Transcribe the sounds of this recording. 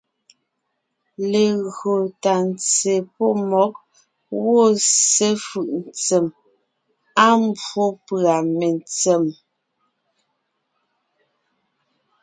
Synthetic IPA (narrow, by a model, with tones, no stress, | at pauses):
le˨ɣo˨ta˨n˨t͡se˨po˦mɔ˨˦k̚ | ɣo˦˨se˦fɯ˨ʔn̩˨t͡se˨m | a˦m˦bo˦pɰa˨me˨nt͡se˨m